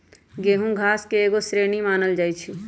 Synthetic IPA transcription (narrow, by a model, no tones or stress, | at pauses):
ɡeːɦũɡʱaːskeeːɡosɾeːnimaːnəld͡ʒaːit͡ʃʰi